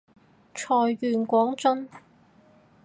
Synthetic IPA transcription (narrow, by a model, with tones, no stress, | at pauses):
t͡ʃʰɔː˧jkyː˨nkʷɔː˨˥ŋt͡sɐ˥n